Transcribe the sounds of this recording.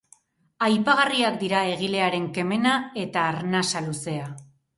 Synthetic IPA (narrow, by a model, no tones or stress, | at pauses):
ajpaɣariakd̪iɾae̞ɣ̞ile̞aɾe̞ŋke̞me̞nae̞t̪aːɾnasaluse̞a